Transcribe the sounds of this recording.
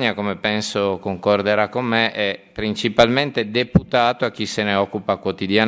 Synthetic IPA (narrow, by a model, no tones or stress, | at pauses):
ɲakomepɛnsokoŋkord̪eɾakːomːeʔɛpːɾint͡ʃipalment̪ed̪eput̪aːt̪oak̟ːiseneɔkːupakwot̪id̪jan